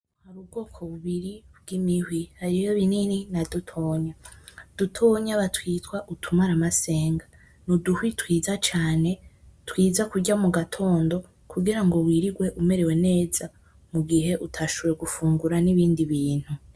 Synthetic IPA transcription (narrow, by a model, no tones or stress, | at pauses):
haɾub̚ɡo̞ːkʰo̞βuβiɾib̚ɡ̥imihwihaɾijoβinininadutʰo̞ːɲad̥utʰoːɲaβatʰwiːtwaʔutʰumaɾamase̞ːŋɡa | nuduhwitwiːzat͡ʃaːne̞twiːzakuɟamuɡatʰo̞ːndo̞ | kʰuɡiɾaŋɡo̞wiːɾiɡwe̞ʔume̞ɾe̞we̞ne̞ːz̥a | muɡiɦe̞ʔutʰaʃoβɾeɡufuːŋɡuɾaniβiːndiβiːn̥hu